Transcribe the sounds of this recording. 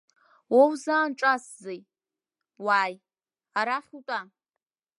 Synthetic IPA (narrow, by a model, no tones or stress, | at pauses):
wowzaːnʈ͡ʂʼaszej | waːj | aɾaχʲutʷʼa